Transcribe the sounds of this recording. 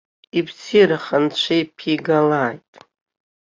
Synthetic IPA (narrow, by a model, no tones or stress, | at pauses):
ibsʰiɾaχant͡ʃʷʰejpʰiɡalaːjtʼ